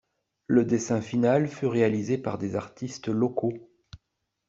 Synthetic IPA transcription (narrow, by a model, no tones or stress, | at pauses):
ləd̪esɛ̃finalfyʁealizepaʁd̪ezaʁt̪ʰist̪lɔko